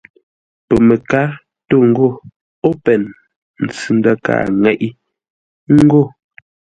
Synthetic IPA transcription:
pə˨me˨ka˨˦ | to˦˨ŋ̩˦ɡo˦˨ | o˦pɛ˨n | n̩˨t͡sʉ˨n˦da˦ka̰ː˦˨ŋɛ˨ʔi˦ | ŋ˦ɡo˦˨

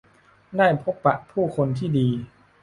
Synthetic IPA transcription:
daː˥˩jpʰo˦˥pːa˨ʔpʰuː˥˩kʰo˧nt̪ʰiː˥˩diː˧

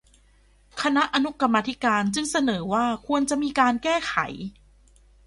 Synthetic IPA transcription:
kʰa˧na˦˥ʔa˧nu˦˥ka˧mːaː˧t̪ʰi˦˥kaː˧nt͡ɕɯ˧ŋsa˧nɤː˩˦waː˥˩kʰu˧ənt͡ɕa˨˩ʔmiː˧kaː˧nkɛː˥˩xʰa̰˨˩˦j

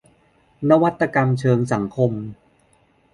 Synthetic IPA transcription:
na˦˥wa˦˥t̪ːa˧ka˧mt͡ɕʰɤː˧ŋsa˩˦ŋkʰo˧m

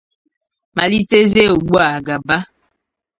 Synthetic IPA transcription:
ma˨li˦te˦ze˦˨ɡ͡bwa˦˨ɡa˨ba˦

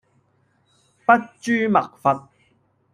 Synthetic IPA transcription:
pɐ˦˥t̚t͡ʃyː˥mɐ̰˨k̚fɐ˧t̚

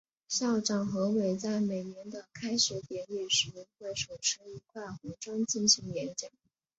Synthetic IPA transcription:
ɕjɑ˥˩ʊʈ͡ʂɑ˥˩ŋxɤ˧˥we˨˩ɪt͡sa˥˩ɪme˨˩ɪnjɛ˧˥nd̪ə˧kʰa˥ɪɕɛ˧˥t̪jɛ˧˥nɛ˥˩ʂɻ̩˧˥˧xwe˥˩ɪʂo˨˩ʊʂɻ̩˥i˧˥kʰwa˥˩ɪxu˧˥ʈ͡ʂwɑ˥ŋt͡ɕi˥˩nɕi˧˥ŋjɛ˧˥nt͡ɕjɑ˨˩˦ŋ

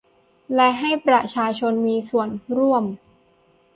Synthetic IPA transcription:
lɛ˦˥ɦa˥˩jpɾa˨˩t͡ɕʰaː˧t͡ɕʰo˧nmiː˧su˨˩ənɾu˥˩əm

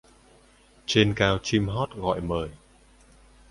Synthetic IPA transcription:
t͡ɕe˧nkaː˧wt͡ɕi˧mɦɔ˦˥t̚ɣɔ̰˧˨jməː˨˩j

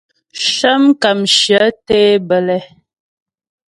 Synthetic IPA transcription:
ʃə˦mka˨mʃjə˨˦te˦bə˨lɛ˦

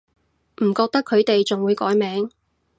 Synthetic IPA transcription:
m̩˨˩kɔː˧k̚t̪ɐ˥kʰɵ˨˧ɥt̪e˨jt͡sʊ˨ŋwuː˨˧jkɔː˨˥jmɛː˨˥ŋ

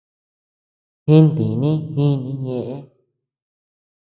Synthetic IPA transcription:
hĩ˦nt̪ĩ˨nĩ˦hĩ˦nĩ˧ɲẽ˧ʔẽ˦

